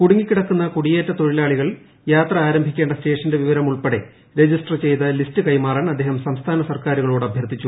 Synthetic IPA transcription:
kuɽuŋːikʲːiɽɐkːunːɐkuɽijeːtːɐt̪o̞ɻilaːɭiɣɐɭ | jaːt̪rɐaːɾɐmbʱikʲːe̞ːɳɖɐste̞ːʂɐnde̞ʋiʋɐɾɐmuɭpɐɽe̞ | ɾe̞d͡ʑisʈrt͡ɕe̞jt̪ɐlistɨkɐjmaːraːnɐd̪ʱːeːɦɐmsɐmst̪ʰaːnɐsɐrkaːɾuɣɐɭoːɽɐbʱjɐrt̪ːit͡ɕːu

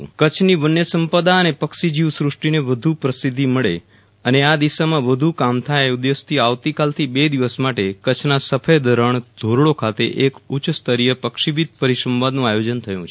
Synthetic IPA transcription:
kət͡ʃʰniʋənːjəsəmpəd̪aənepəkʃid͡ʒiʋsɾʊʂʈineʋəd̪ʱupɾəsid̪ʱːiməɭe | ənead̪iʃamãʋəd̪ʱukamt̪ʰajud̪jest̪ʰiaʋt̪ikalt̪ʰibed̪iʋəsmaʈekət͡ʃʰnasəfʰəjd̪əɾəɳd̪̥ʱoɾɭokʰat̪ḛʔekut͡ʃst̪ʰəɾijəpəkʃibit̪̚pəɾiʃɾəmʋad̪nũajod͡ʒənt̪ʰəjũt͡ʃʰ

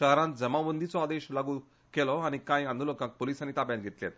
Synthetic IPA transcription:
əɦɾãnt̪̚d͡zəmaʋənd̪it͡sɔad̪eɕlaɡuː | kelɔañikãjãnd̪ʱulokãk̚poliːsanit̪apjãnɡʱet̪ljet̪̚

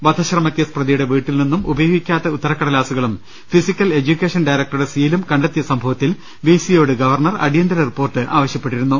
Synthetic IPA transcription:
ʋɐd̪ʱʰɐɕrɐmɐkʲːɐsprɐd̪ijuɽe̞ʋiːʈːilninːumʔubɐjoːɡikʲːaːt̪ːɐut̪ːɐɾɐkːɐɽɐlaːsuɣɐɭum | fisikʲːɐle̞d͡ʑukʲːeːʂɐnɖɐjɾɐk̚ʈːɐɾuɽe̞siːlumkɐɳɖɐt̪ːijɐsɐmbʱɐʋɐt̪ːil | ʋiːsijo̞ːɽɨɡɐʋɐrɳɐrɐ̰ɽijɐnd̪ɐɾɐripːo̞ːrʈːɨʔa̰ːʋɐɕjɐpːe̞ʈːiɾunːu

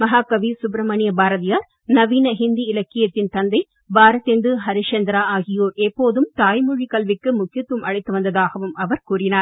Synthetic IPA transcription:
mɐɦaːkɐʋiːsʊb̬ɾɐmɐnɪjɐbaːɾɐðɪjaːɾ | nɐʋiːnɐɦɪnd̪iɪlɐkːɪjɐt̪ːɪnt̪ɐnd̪ɐɪ | baːɾɐt̪ːend̪ɯɦɐɾɪʂɐnd̪ɾaːaːɣɪjoːɾɛpːoːðɯmt̪aːjmʊɻikɐlʋɪkːɯmʊkɪjɐt̪ːʋɯmʔɐɻɐɪt̪ːɯʋɐnd̪ɐðaːɣɐʋɯmɐʋɐɾkuːɾɪnaːɾ

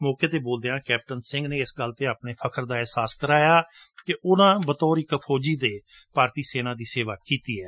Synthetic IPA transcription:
mɔːkeːt̪eːboːld̪eːãːkɛːp̚ʈənsɪ̃ŋɡneːɪsɡəlt̪eːaːpneːpʰəkʰəɾd̪aːɛɦsaːskəɾaːjaː | kɪʔʊnãːbət̪ɔːɾikpʰɔːd͡ʒiːd̪eː | paːɾt̪iːseːnãːd̪iːseːʋaːkiːt̪iːɛː

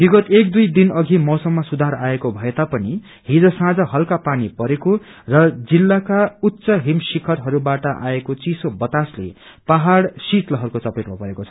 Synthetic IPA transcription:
biɡʌt̪ekd̪ujd̪inʌɡʱimʌwsʌmːʌsud̪ʱaɾaekobʱʌet̪apʌni | ɦid͡zosãd͡zʌɦʌlkapanipʌɾeko | rʌd͡zilːakaut̪ːsʌɦimsikʰʌɾɦʌɾubaʈʌʔaekot͡sisobʌt̪aslḛ | paɦaɽsit̪lʌɦʌɾukot͡sʌpeʈmʌpʌɾekot͡sʰʌ

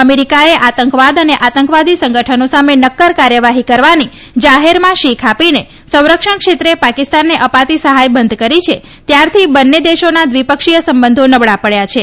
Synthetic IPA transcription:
əmeɾikaeʔat̪əŋkʋad̪əneʔat̪əŋkʋad̪isə̃ŋɡəʈʰənosamenəkːəɾkaɾjəʋaɦikəɾʋani | d͡ʒaɦeɾmãʃikʰapine | sə̃w̃ɾəkʂəɳkʃet̪ɾepakist̪anːeʔəpat̪isəɦajbənd̪ʱkəɾit͡ʃʰe | t̪jaɾt̪ʰibənːed̪eʃonad̪ʋipəkʂijəsəmbənd̪ʱonəbɭapəɭjat͡ʃʰe

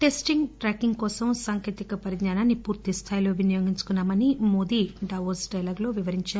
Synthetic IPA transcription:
ʈe̞sʈiŋɡʈɾaːkiŋɡkɔːsɐmsaːŋkeːt̪ikɐpɐɾidɲaːnaːnːipuːɾt̪ist̪ʰaːjlo̞ːʋinijo̞ːɡiɲt͡ʃu̥kunːaːmɐnimo̞ːd̪iːɖɐʋosɖɐjlaːɡlo̞ːʋiʋɐɾiɲt͡ʃaː

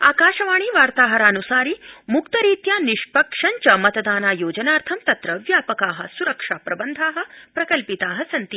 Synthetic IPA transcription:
a̰ːkaːʃɐʋaːɽ̃iːʋaːɾt̪aːɦɐɾaːnusaːɾiːmukt̪ɐɾiːt̪jaːniʃpɐkʂɐɲt͡ʃɐmɐt̪d̪aːnaːjoːd͡ʒɐnaːɾt̪ʰɐmt̪ɐt̪ɾɐʋjaːpɐkaːɦɐ̆suɾɐkʂaːpɾɐbɐnd̪ʱaːɦɐ̆pɾɐkɐlpit̪aːɦɐsɐnt̪iː

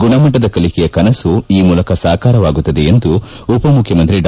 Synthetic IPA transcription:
ɡuɳɐmɐʈːɐd̪ɐkɐlikɛjɐkɐnɐsuiːmuːlɐkɐsaːkaːɾɐʋaːɡut̪ːɐd̪eend̪u | upɐmukʰjɐmɐnt̪̬ɾiɖ

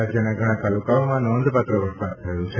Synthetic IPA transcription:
ad͡ʒjəneɡʱəɽ̃ãt̪alukaomãnɔnd̪ʱpat̪ɾəʋəɾsad̪̚t̪ʰəjũt͡ʃʰe

